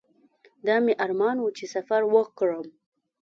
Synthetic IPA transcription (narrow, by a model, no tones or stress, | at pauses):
d̪ɑmeʔaɾmɑnwut͡ʃesafaɾwəkɽəm